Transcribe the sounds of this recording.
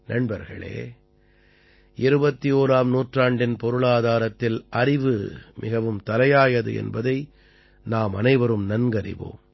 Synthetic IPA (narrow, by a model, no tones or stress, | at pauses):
nɐɳbɐɾɣɐ̰ɭḛː | ʔɪɾɯbɐt̪ːioːɾaːmnuːʈraːɳɖɪnpɔɾɯɭaːðaːɾɐt̪ːɪlʔɐɾɪʋɯmʔɪɣɐʋɯmt̪ɐlɐjaːjɐðɯ̰ɛ̰nbɐðɐɪ | naːmɐnɐɪʋɐɾɯmnɐnɡɐɾɪ̰ʋo̰ːm